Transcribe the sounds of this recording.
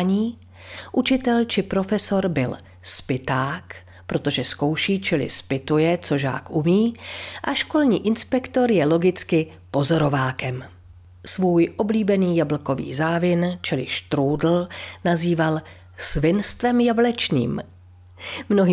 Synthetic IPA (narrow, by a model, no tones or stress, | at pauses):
ɲiː | ʔut͡ʃɪt̪ɛlt͡ʃɪpɾo̞fɛso̞ɾbɪl | spɪt̪aːk | pɾo̞t̪o̞ʒɛsko̞wʃiːt͡ʃɪlɪ̰spɪt̪ujɛt͡so̞ʒa̰ːkʔumiːʔaʃko̞lɲḭːʔɪnspɛkt̪o̞ɾjɛlo̞ɡɪt͡skɪ | po̞zo̞ɾo̞vaːkɛm | svuːjʔo̞bliːbɛniːjabl̩ko̞vḭːzaːvɪnt͡ʃɪlɪ̰ʃt̪ɾuːdl̩naziːval | svɪnst̪vɛmjablɛt͡ʃɲḭːm | mno̞ɦi